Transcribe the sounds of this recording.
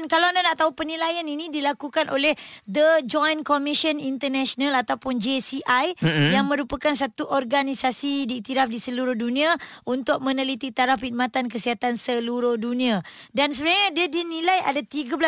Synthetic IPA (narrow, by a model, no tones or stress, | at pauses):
nkalawandanaʔt̪aupənĩlajaninĩdilakukanʔo̰lɛhd̪əd͡ʒɔjnkɔmiʃənint̪ənaʃonalat̪awpʊnd͡ʒesiʔajjaŋmə̃ɾupakansat̪uʔɔrɡanisasidiit̪iɾafdisəluɾʊhdunĩa | unt̪ʊk̚mə̃nəlit̪it̪aɾafpid̪̚mãt̪ankəsiɦat̪ansəluɾʊhdunĩa | dansəbənaɲadiadinilaja̰dat̪iɡabəla